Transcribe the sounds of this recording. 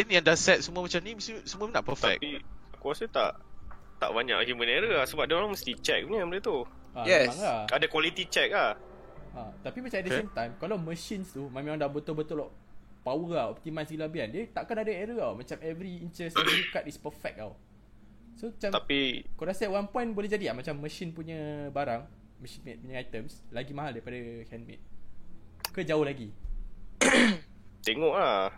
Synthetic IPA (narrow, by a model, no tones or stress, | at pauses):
ɛnjaŋdasɛt̪̚səmuəmat͡ʃamnimisisəmũənaʔpəfaɛ̰k̚iakuɔsut̪a̰ʔ | t̪a̰ʔbaɲa̰ʔhjumə̃neɾəahsəbap̚dãlaŋməst̪it͡ʃɛk̚bəɲəmɾɛt̪u | aɛaŋlaadakwalit̪it͡ʃɛk̚lah | at̪apimat͡ʃaadəsemt̪ajmkalawməʃinst̪umãmiãŋdabət̪ʊlbət̪olɔʔ | pawəaɔp̚t̪imajsɡilabiandiət̪aʔkanadaeɾəawmãt͡ʃamɛvɾiːntɾɛsɛvɾikat̪ispəfɛ̰k̚a̰w | soat͡ʃamapikɔɾasawanpɔjnbolɛɦd͡ʒadiamat͡ʃamːəʃinpuɲə̃baɾaŋ | məʃinmɛt̪̚puɲə̃ajt̪əmslaɡimaɦaldaipadahɛnmɛ̰t̪̚ | kəd͡ʒaohlaɡi | t̪eŋɔʔla